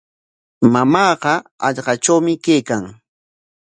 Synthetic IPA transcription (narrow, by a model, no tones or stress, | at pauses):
mamɑːɢɑɑʎɢɑt͡ʃawmɪkejkaŋ